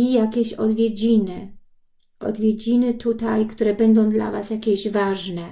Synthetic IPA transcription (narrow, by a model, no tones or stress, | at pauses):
ijakʲeɕɔd̪vʲjed͡ʑinɘ | ʔɔ̰d̪vʲjed͡ʑinɘt̪ut̪ajkt̪uɾɛbɛnd̪ɔ̃w̃d̪la̰va̰sjakʲeʑvaʐnɛ